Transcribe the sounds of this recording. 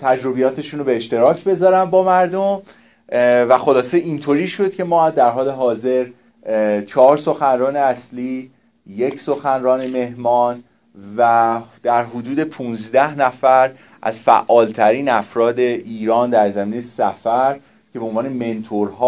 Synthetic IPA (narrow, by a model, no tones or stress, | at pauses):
t̪ʰæd͡ʒɾo̞bijɒːt̪ʰe̞ʃuːnobe̞ːʃt̪e̞ɾɒːcʰbe̞zɒːɾæmbɒːmæɾd̪om | væxo̞lɒːseint̪ʰoːɾiːʃo̞d̪̥̚cʰe̞mɒːd̪æɾɦɒːle̞ɦɒːze̞ɾ | t͡ʃʰɒɾso̞xænɾɒːneæsliː | je̞cʰso̞xænrɒːneme̞ɦmɒːn | væd̪̥æɾɦod̪uːd̪e̞pʰuːnzd̪æhnæfæɾ | ʔæ̰zfæ̰ʔːɒːlt̪ʰæɾiːnæfɾɒːd̪e̞ʔiːɾɒːnd̪æɾzæmiːnejsæfæɾ | cʰebeonvɒːne̞me̞nt̪ʰoɾɦɒː